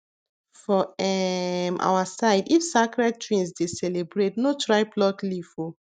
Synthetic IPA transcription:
fɔɛmʔa̰wasaɪdifsakɹɛd̚tɹĩnsdesɛlebɹetnotɹaɪplɔklifo

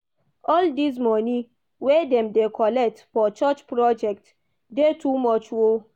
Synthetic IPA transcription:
ɔldis̬mɔni | wedɛ̃mdekʰɔlɛk̚tfɔt͡ʃɔt͡ʃpɹɔd͡ʒɛk̚t | detumɔt͡ʃwo

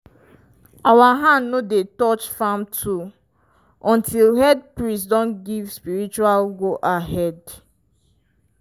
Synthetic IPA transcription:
awaɦãnnodetɔt͡ʃfãmtʰu | ʔɔ̃ntilhɛd̚pɹisdɔ̃nɡivspiɹit͡ʃualɡoʔaɦɛd

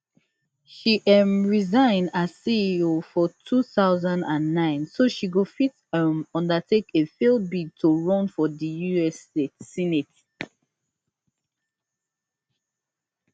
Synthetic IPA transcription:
ʃiʔɛmɹizãɪ̃ndasiiofɔtʰuθaʊzãndãnːãɪ̃nsoʃiɡofit | əmɔ̃ndətʰekefild̚bid̚tʰoɹɔ̃nfɔðəjuɛstetsineti

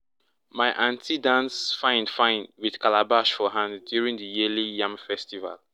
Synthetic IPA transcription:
maɪʔãntʰidãnsfãɪ̃nfãɪ̃nwið̥kalabaʃfɔɦãnddjuɹĩŋðəjilijãmfɛstiva̰l

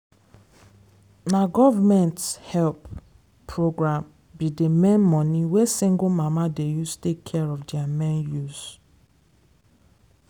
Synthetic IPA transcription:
naɡɔvamɛ̃nthɛlp | pʰːɹoɡɹãm | bidemẽnmɔ̃niwesĩŋɡomamadejustekʰːɛɹɔfdiamɛ̃njuz

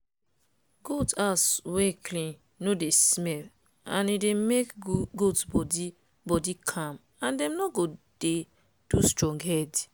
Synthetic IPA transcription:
ɡudasweklĩnː | odesmɛl | ã̰nidemekɡudbɔdi | bɔdikʰãm | ãndɛ̃mnɔɡod̥e | d̥ustɹɔ̃ŋɡhɛd

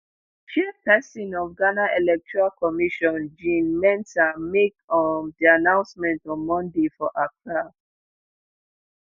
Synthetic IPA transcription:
t͡ʃɛpɛsĩnɔfɡanaʔelɛk̚tʰɔɹalkʰɔmiʃɔ̃nd͡ʒĩnmɛ̃ntamekɔndianãʊ̃nsmɛ̃ntɔ̃nmɔ̃ndefɔʔapa

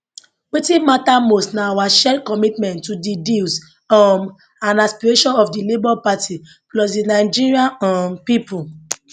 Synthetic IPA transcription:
wetimatamostnaawaʃɛkɔmitmɛ̃ntːudidis | ɔm | ãnaspiɹeʃɔ̃nɔfdilebalpati | klɔsdinaɪd͡ʒiɹiaampipul

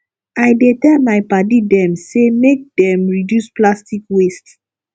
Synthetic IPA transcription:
ajdetɛmajpadidɛ̃msemek̚dɛ̃mɹidjusplastikwest

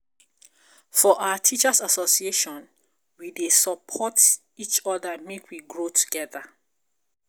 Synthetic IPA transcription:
fɔʔaʊatʰit͡ʃasasosieʃɔ̃n | widesəpʰɔt | it͡ʃɔðamekʰwiɡɹotʰu̥ɡ̥ɛða

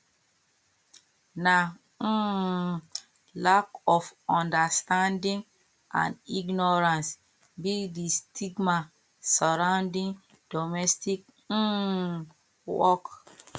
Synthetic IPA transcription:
na | lakɔfɔ̃ndastãndĩŋ | ʔã̰niɡnɔɹãns | bidistʰiɡma | sɔɹãʊndĩŋ | d̥ɔmɛstik̩̚ | wɔk

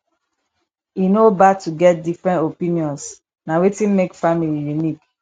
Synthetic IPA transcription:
inobatuɡɛt̚difɹɛ̃ntopĩniɔ̃ns | nawetĩnmekfamilijunik

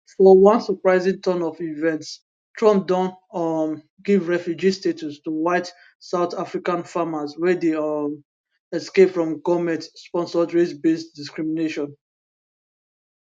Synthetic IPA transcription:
fɔwãnsɔpɹaɪzĩŋtʰɔ̃nɔfivɛ̃nts | tʰɹɔ̃mp̚dɔ̃ntm | ɡivɹɛfjud͡ʒistetʰustuwaɪt | saʊtafɹikãnfamazwɛdem | ɛskepfɹɔ̃mɡɔmɛ̃tspɔ̃nsɔdɹesbestdiskɹimineʃɔ̃n

